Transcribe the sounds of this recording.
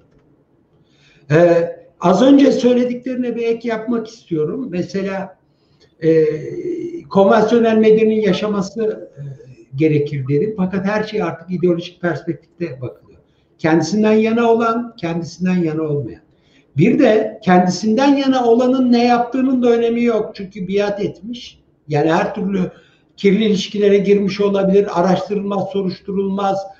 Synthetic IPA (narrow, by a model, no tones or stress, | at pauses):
ɛː | azø̞nd͡ʒɛsø̞jlʲe̞d̪iclʲe̞ɾinɛbejɛcjapmaki̥st̪ʰijo̞ɾumːɛse̞lʲaː | ɛː | kʰo̞nvãnsjo̞nalʲme̞d̪jeninjaʃamasɯ | ɟe̞ɾecʰiɾd̪e̞d̪imfakat̪hæɾʃe̞jaɾt̪ʰɯ̥kid̪e̞o̞lʲo̞ʒi̥c̚pʰæɾspɛc̚t̪ʰi̥ft̪ʰɛbakʰɯlˠɯjo̞ | cʰɛnd̪isind̪ænjanao̞lˠancʰɛnd̪isind̪ænjanao̞lˠma̰ja̰n | biɾd̪ɛcʰɛnd̪isind̪ænjanao̞lˠanɯnːɛjap̚t̪ʰɯːnɯnd̪aø̞jne̞mijo̞k̚t͡ʃʰyɲcʰybijat̪ɛt̪miʃ | jaːnihæɾt̪ʰyɾlʲy | cʰiɾlʲiːlʲiʃcilʲe̞ɾɛɟiɾmiʃo̞lˠabilʲiɾa̰ɾaʃt̪ʰɯɾɯlˠmazso̞ɾuʃt̪uɾulˠmaz̥